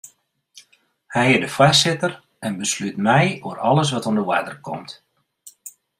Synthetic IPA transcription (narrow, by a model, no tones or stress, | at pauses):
hɛjɪdəfwasɪtər | ɛnbəslytmɛjoəɾɔləs̬ʋɔtondəwa̰dərkʰɔ̰mt